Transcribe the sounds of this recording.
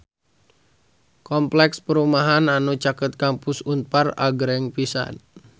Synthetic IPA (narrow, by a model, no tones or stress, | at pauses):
kɔmplɛkspəɾumaɦananut͡ʃakət̪̚kampusunpara̰ɡɾɛŋpisa̰n